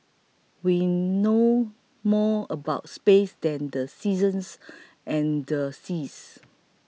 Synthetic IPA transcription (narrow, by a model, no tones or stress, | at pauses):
wino | mɔəbaʊt̚spesdɛ̃ndəsizə̃ns | ʔɛ̃ndəsis